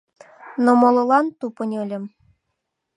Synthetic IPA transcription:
nomolˠŏlˠɑnt̪upɤ̆nʲɤ̆lʲɤ̆m

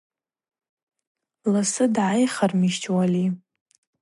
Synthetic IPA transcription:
lasɨdʕajχarmiʃt͡ʃʰʼwali

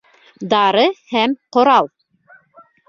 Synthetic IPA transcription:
d̪ɑɾɤhæmqŏɾɑlˠ

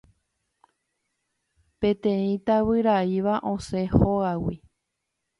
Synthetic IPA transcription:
pẽ̞t̪ẽĩt̪aβɨɾaiʋaʔõsehoawḭ

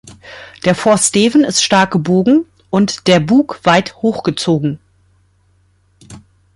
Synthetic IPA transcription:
d̥eːɐfɔɐsteːvn̩ɪstʃtaɐk̚ɡ̥əboːɡŋ̩ | ʔʊntd̥eːɐbuːkv̥aɪthoːxɡ̥ət͡soːɡŋ̩

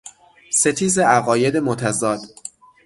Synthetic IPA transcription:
set̪ʰiːzeæɣɒːjed̪emot̪ʰæzɒːd̪̥

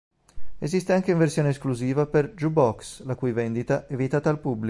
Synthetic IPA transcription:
ezist̪eaŋk̟eiɱversjoːneːskluziːvaperd͡ʒubɔkslakujvend̪it̪aʔɛvit̪aːt̪aːlpubːli

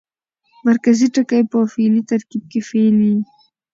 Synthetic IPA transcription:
maɾkaziʈəkajpəfelit̪aɾkib̚kefeli

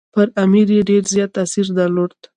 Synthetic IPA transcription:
pəɾamiɾjeɖeɾzjɑt̪asiɾd̪aɾloɾd̪

